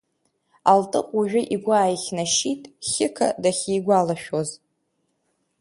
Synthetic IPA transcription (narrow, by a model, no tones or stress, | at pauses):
altʼɨqʷʼuʒᶣʷʊʔiɡʷaːjχʲnaʃitʼχʲɪkʰa̰daχʲiːɡʷalaʃᶣoz